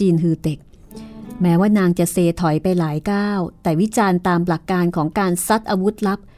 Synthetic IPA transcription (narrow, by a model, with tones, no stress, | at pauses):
iː˧nɦɯː˧d̪e˨˩k̚ | mɛː˦˥waː˥˩naː˧ŋt͡ɕa˨˩ʔseː˧t̪ʰɔ˨˩˦jpa˧jlaː˩˦jkaː˥˩wt̪ɛː˨˩wi˦˥t͡ɕaː˧nt̪aː˧mla˨˩kːaː˧nkʰɔː˩˦ŋkaː˧nsa˦˥t̪̚ʔaː˧wu˦˥t̪̚la˦˥p̚